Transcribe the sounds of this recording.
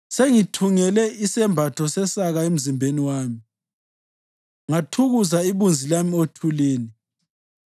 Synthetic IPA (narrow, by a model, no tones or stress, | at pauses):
seŋitʰuŋɛlɛisɛmbʱatʰɔsɛsaɣaem̩zimbʱeniwaːmi | ŋatʰuɣuzaiβund͡zʱilamiotʰuliːni